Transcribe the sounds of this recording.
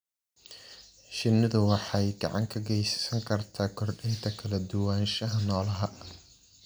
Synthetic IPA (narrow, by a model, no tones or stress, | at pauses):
ʃɪnɪðʊwɑħɑjɡɑ̰ʕɑ̰ŋkʰɐɡɛjsɐ̥sɐŋkʰɐrt̪ʰaːkʰɔrdɪnt̪ʰɐkʰɐlɐd̪ʊwaːnʃɐɦɐnɔːlɐɦɐ